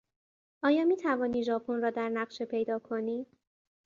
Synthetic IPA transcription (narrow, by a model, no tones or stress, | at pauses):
ʔɒːjɒːmiːt̪ʰævɒːniːʒɒːpʰonɾɒːd̪æɾnæɢʃe̞pʰe̞jd̪ɒːkʰoniː